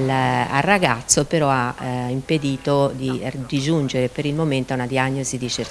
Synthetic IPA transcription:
a̰raɡat̪sːopeɾɔaimped̪iːt̪od̪id̪id͡ʒund͡ʒeɾepeɾilmoment̪aunad̪iaɲːozid̪it͡ʃe

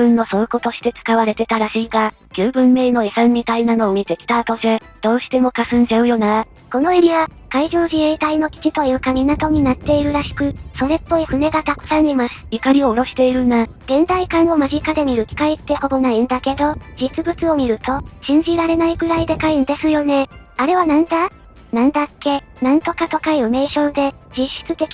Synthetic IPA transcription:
bɯ̟̃nːo̞soːko̞t̪o̞ɕi̥t̪e̞t͡sɨ̥kaβaɾe̞t̪e̞t̪aɾaɕiːɡa | kʲɨːbɯ̟̃mːe̞ːno̞esãnːit̪ainano̞omʲit̪e̞kʲi̥t̪aːt̪o̞se̞ | d̪̥o̞ːɕi̥t̪e̞mo̞kasɨ̃ɲ̟d͡ʑaɯ̟jo̞na | ko̞no̞eɾʲiβa | kaiʑo̞ːʑieit̪aino̞kʲi̥kit̪o̞jɯ̟ːkamʲinat̪o̞ɲ̟inat̪ːe̞iɾɯ̟ɾaɕi̥kɯ̟so̞ɾe̞pːo̞iɸɯ̟ne̞ɡat̪akɯ̟̥sãɲ̟ːimasɨ̥ikaɾʲioːɾo̞ɕi̥t̪e̞iɾɯ̟na | ɡ̥ẽ̞nd̪aikãɰ̃o̞maʑikad̪e̞mʲiɾɯ̟kʲi̥kait̪ːe̞ho̞bonaind̪ake̞d̪o̞d͡ʑit͡sɨbɯ̟t͡sɨo̞mʲiɾɯ̟t̪o̞ɕĩɲ̟d͡ʑiɾaɾe̞naiɡɯ̟ɾaid̪e̞kaind̪e̞sɨjo̞ne̞ | aɾe̞β̞anãnd̪a | nãnd̪akːe̞ | nãnt̪o̞kat̪o̞kaiɯme̞ːɕo̞ːd̪e̞ | d͡ʑiɕːi̥t͡sɨt̪e̞kʲi

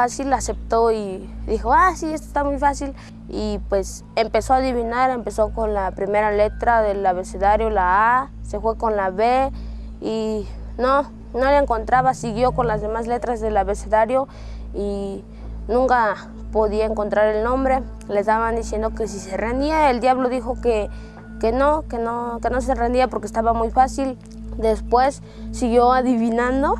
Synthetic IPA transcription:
fasilasep̚t̪oiðixoasiest̪o̥e̥st̪amujfasil | ipwes | empesoaðiβinaɾempesokonlapɾimeɾalet̪ɾaðelaβeseðaɾjolaasefwekonlaβe | i | no | noleŋkont̪ɾaβasiɣjokonlazðemaslet̪ɾazðelaβeseðaɾjo | i | nũŋka | poðiaeŋko̞nt̪ɾaɾelnõmbɾe | lezd̪aβand̪isje̞nd̪okes̬iserend̪iaeld̪jaβloðixoke | kenokenokenos̬erend̪iapoɾkest̪aβamujfasil | d̪espwesː | iɣjoaðiβinãnd̪o

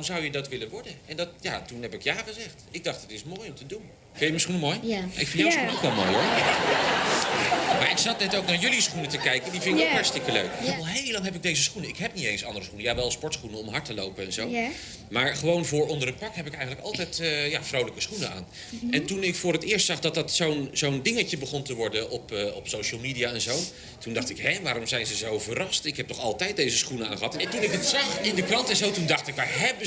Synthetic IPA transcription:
mzʌwjədɑtʋɪlənʋɔɹdənʔɛndɑtjaːtunɛpɪkjaːχəzɛχtɪɡ̚dɑχtɦətɪsmoːjɔmtədun | fɪnjəməsχunəmoːjɪ̰kfɪnjəsχunoʊkʋɛlˠmo̰ːjɔɹ | maːɹɪksnɑtnɛtowknaːɹjɵlisχunətəkɛjkəndivɪnɪkopɛɹstɪkəlø̰ɥkɪkɛlˠɦejlɑŋɦɛpɪɡ̚dejzəsχunəɪkɦɛpnitejnsɑ̰ndərəsχunəjaːʋɛlˠspɔɹtsχunəɔmɦɑɹtəlowpənɛnzow | maːɹχəʋownvʊːɹɔndərət̚pɑɹkɦɛpɪəkɛjχənləkɑ̰lˠtɛjtːjavrowləkəsχunəa̰ːn | ɛntunɪkfʊːrətɪːɹstsɑχdɑtdɑtsownzowndɪŋəcəbəχɔntəʋɔɹdəʔɔpːɔpsowʃəlˠmidijaɛnzow | tundɑχtɪkɦɛʋaːɾɔmzɛjnzəzowvəɾɑstɪkɦɛp̚tɔχɑlˠtɛjt̚dejzəsχunəa̰ːnχəɦɑtntunɪkətsɑχɪndəkrɑntɛnzowtundɑχtɪkʋaːɹɦɛb

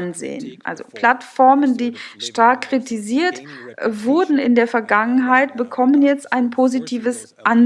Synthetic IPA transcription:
nzḛːənʔa̰lzo̰pl̥atfɔɐməndiːʃtaɐkːʁ̥itʰiziːɐtvʊɐdn̩ɪ̰ndeːɐfɛɐɡaŋənɦaɪtb̥əkʰɔmənjɛt͡stʔaɪnpʰozitʰiːvəs | ʔan

